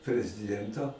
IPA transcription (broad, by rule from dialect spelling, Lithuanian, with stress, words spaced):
pʲrʲɛzʲɪˈdʲiɛntoː